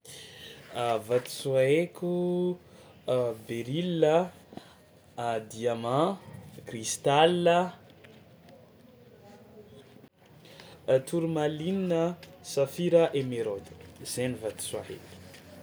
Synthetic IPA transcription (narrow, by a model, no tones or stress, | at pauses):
vat̪i̥swaɦekʲu | beɾilə | d̪iamãkrist̪alːə | t̪ʰuɾumalininəsafiɾəʔemeɾod̪ə̥z̥enivat̪i̥suahḛku̥